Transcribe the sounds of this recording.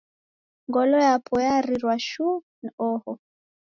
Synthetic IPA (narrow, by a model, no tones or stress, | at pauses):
ŋɡɔlɔjapʰɔjaɾiɾwaʃu | n̩ɔhɔ